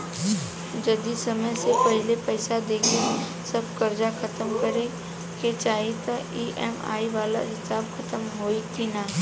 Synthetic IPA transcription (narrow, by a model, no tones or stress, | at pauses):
d͡ʒɐd̪isɐməjsepɐɦɪlepɛːɪsad̪eːkʰe | sɐbkɐɾd͡ʒakʰɐt̪əmkəɾe | ket͡ʃaːɦit̪aiːʔɛma̰ːiʋaːla̰ɦɪt̪aːbkʰɐt̪əmɦoːit̪ʰinaː